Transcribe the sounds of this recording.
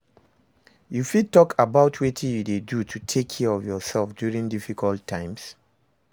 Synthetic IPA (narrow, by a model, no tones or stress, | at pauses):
jufid̚tɔkʰabaʊtʰwetʰĩjudedutʰutʰekʰːɛɹɔvjɔsɛlfdjuɹĩŋdifikʰɔlˠtʰːãɪ̃ms